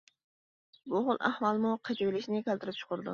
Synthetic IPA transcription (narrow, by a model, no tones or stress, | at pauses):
bʊʁʊlˠʔæ̰hwɑlˠmuqʰət͡ʃiwɪlɪʃnɪkʲɛlt̪ɪɾɪp̚t͡ʃʰʊ̥qʊɾd̪ṵ